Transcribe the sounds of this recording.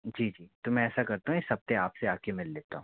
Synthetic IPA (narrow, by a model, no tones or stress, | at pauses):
d͡ʒiːd͡ʒiːt̪omɛ̃ɛːsakɐɾt̪aɦũesɐb̚t̪eaːpseaːkemɪlːeːt̪aɦũ